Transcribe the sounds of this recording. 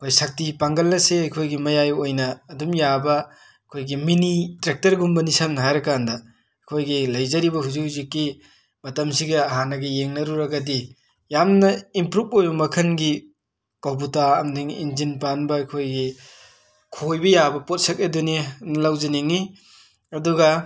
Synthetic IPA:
ɐkʰojsak̚tipaŋɡɐlːɐseɐkʰojɡimɐjajojnɐːdumjabɐ | ɐkʰojɡiminitɾek̚tɐɾɡumbɐnisamnɐɦajɾɐkandɐ | ɐkʰojɡilɐjzɐɾibɐɦuzihuzikːi | mɐtɐmsiɡɐɐɦanɐɡijeŋnɐɾuɾɐɡɐdi | jamnɐimpɾup̚ojbɐmɐkʰɐnɡi | kop̬utaɐmdiŋḭnzinpanbɐɐkʰojɡi | kʰojbɐjabɐpot̚sɐk̚edunenlawzeneŋi | ɐduɡɐ

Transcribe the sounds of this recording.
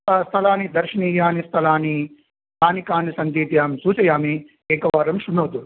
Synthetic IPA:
ɐst̪ʰɐlaːnid̪ɐɾʂɐniːjaːnist̪ʰɐlaːni | saːnikaːnisɐnd͡ʒ̪iːt̪jaːmsuːt͡ʃɐjaːmi | eːkɐʋaːɾɐmʃunoːt̪u

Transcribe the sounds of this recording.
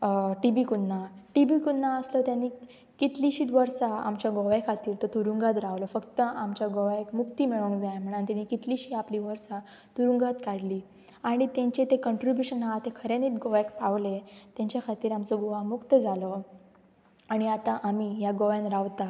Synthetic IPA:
ʈibikunːaʈibikunːaəslɔt̪janːiː | kit̪liɕiːt̪ʋəɾsaa̰mt͡ɕjaɡɔʋakʰat̪iːɾt̪ɔt̪uɾuŋɡat̪ɾaʋlɔfəkt̪əʔamt͡ɕjaɡɔʋekmukt̪iːmiɭõŋkd͡zajam̤əɽ̃ant̪anːikit̪liɕiːapliʋəɾsa | t̪uɾuŋɡat̪kaɽliː | aɽ̃it̪jãɲt͡ɕet̪ekəɳʈɾibjuɕənaat̪ekʰəɾeniːt̪ɡɔʋakpaʋlet̪ãɲt͡ɕjakʰat̪iːɾamt͡sɔɡoʋamukt̪əd͡zalɔ | aɽ̃iat̪ãʔamijaɡɔʋjanɾaʋt̪a

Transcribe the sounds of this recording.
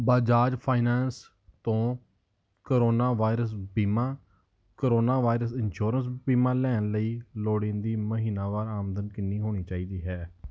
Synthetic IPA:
baːd͡ʒaːd͡ʒpʰaːɪnɛːns | t̪õː | koɾoːnaːʋaːɪɾəs̬biːmãː | koɾoːnaːʋaːɪɾəsɪnʃuːɾəns̬biːmãːlɛːənləiːloːɽɪnd̪iːməɦiːnaːʋaːɾaːmənd̪ənkɪnːiːɦoːñiːt͡ʃaːiːd̪iːɦɛː

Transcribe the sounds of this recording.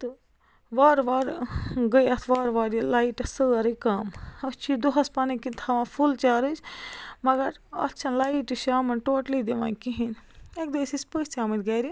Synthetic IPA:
t̪ɨ | ʋaːɾʋaːɾɡəjɐt̪ʰʋaːɾʋaːɾjilaːiʈɐsɨɐɾɨkamɐst͡ʃʰid̪uɦɐspanikint̪ʰɐʋãfʰult͡ʃaːɾɨt͡ʃʰmɐɡɐɾɐ̰t͡ʃʰɐnlaːiʈɨʃaːmɐnʈoːʈlid̪iʋã̰nkiɦinek̚d̪eːsispəsʲt͡ʃʰaːmit̪ɡɐɾi

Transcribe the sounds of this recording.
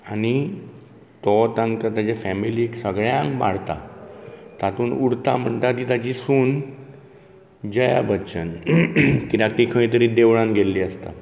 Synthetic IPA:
añi | t̪ɔt̪ãŋɡt̪at̪jat͡ɕefɛmiliːksəɡɭjãŋkba̰ɽ̤t̪a̰ | t̪at̪uːnuɽt̪am̤əɳt̪at̪iːt̪at͡ɕisuːn | d͡ʑəja̰bətːɕən | kit̪akt̪ikʰəĩt̪əɾiːd̪eʋɭãnɡʱelːiːəst̪a̰

